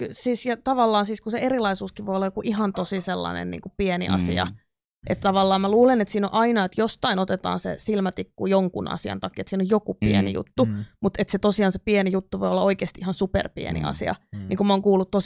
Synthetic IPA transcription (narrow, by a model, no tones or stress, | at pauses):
ksiːsjɑt̪ɑʋɑlːɑːnsiːskuseerilɑisuːskiʋoiolːɑjokuʔiɦɑnt̪osiselːɑ̰nḛnnḭːŋkupienḭʔɑ̰sḭɑ̰ | ʔet̪t̪ɑʋɑlːɑːmmæluːlenet̪siːno̰ʔɑinɑet̪jost̪ɑinot̪et̪ɑ̰ːnsḛsilmæt̪ikːujoŋkunɑ̰siɑ̰nt̪ɑkiet̪siːnojokupiḛnḭjṵt̪ːumut̪et̪set̪osiɑːnsepienijut̪ːuʋojolːɑoikeːst̪iʔihɑnsupḛrpḭḛnḭɑ̰siɑ̰niːŋkumæoːŋkuːlːut̪t̪ːo